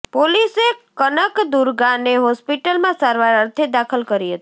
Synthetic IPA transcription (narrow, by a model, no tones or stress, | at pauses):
polisekənəkd̪uɾɡãneɦɔspiʈəlmãsaɾʋaɾəɾt̪ʰed̪akʰəlkəɾiɦət̪i̥